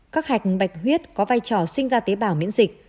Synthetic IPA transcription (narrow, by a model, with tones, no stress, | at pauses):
kaː˦˥k̚ha˨˩jk̚ɓa˨˩jk̟̚ɦwi˦˥ət̚kɔ˨˦vaː˧jt͡ɕɔ˧˩sï˧ŋ̟zaː˧t̪e˨˦ɓaː˧˩wmḭ˧˥ənzï˨˩k̟̚